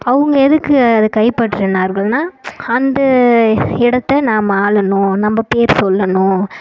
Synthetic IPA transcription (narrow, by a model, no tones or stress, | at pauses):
ɐʋɯŋɡɐɛðɯkːɯɐðɯkɐɪpɐʈːɾɪnːaːɾɣɐɭnaːɐnd̪ɐ | ɪɽɐt̪ːɛnaːmɐaːɭɐnʊ̃nɐmːɐpeːɾsɔlːɐnʊ̃